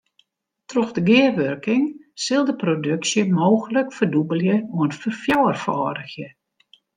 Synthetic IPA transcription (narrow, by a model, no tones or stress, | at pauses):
troxdəɡɪərʋørkɪŋsɪlˠdəprodøksjəmoːxələkfərdubəlˠjəoənfərfjɔwərfɔːdəxjə